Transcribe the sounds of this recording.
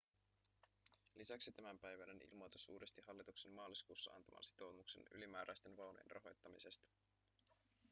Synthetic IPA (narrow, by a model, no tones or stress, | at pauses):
lisæksit̪æmæmpæjʋænenḭlmojt̪usuːɾest̪iɦɑlːit̪uksemmɑːliskuːsːɑɑ̰nt̪ɑmʔɑ̰nsi̥t̪o̞wmukse̞̰ny̰limæːɾʔæjst̪e̞nʋɑwnojḛnrʔɑ̰ɦo̞jt̪ːɑmise̞st̪ɑ̥